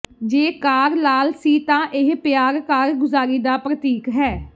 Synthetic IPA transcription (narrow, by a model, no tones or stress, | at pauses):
d͡ʒeːkaːɾlaːlsiːt̪ãːʔɪɦpɪjaːɾkaːɾɡʊzaːɾiːd̪aːpɾət̪iːkɦɛː